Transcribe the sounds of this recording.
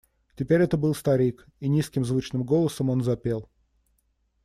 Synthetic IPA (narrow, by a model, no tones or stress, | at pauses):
tʲɪpʲeɾʲɛt̪əbɨlˠst̪ɐɾʲik | inʲiskʲɪmzvut͡ɕnɨmɡo̞lˠəsəmo̞nzɐpʲelˠ